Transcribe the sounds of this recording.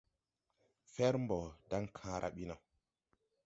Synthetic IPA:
fɛ˦ɾmbɔ˨da˦ŋkʰãː˦ɾʔa̰˨ɓi˦na˨w

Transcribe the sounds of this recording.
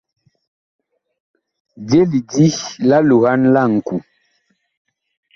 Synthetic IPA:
d͡ʒe˦li˨di˦la˦lu˨ha˦nla˦ŋ̩˨ku˨

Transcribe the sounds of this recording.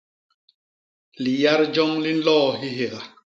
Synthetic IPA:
li˨ja˦ɾd͡ʒɔ˦ŋli˦n̩˦lɔː˦˨ɦi˦ɦe˨ɣa˨

